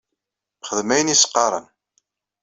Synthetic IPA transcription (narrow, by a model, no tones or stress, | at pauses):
mχəðmæjənisə̥qːɑɾˤə̰n